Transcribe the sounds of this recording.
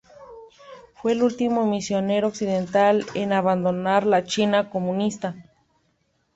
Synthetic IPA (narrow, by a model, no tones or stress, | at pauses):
fweːlult̪imomisjoneɾoːksiðent̪alenaβand̪onaɾlat͡ʃinakomũnist̪a